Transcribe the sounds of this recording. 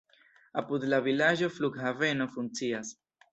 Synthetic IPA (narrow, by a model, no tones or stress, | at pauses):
apud̪lavilad͡ʒo̞fluɡhave̞no̞funt͡sias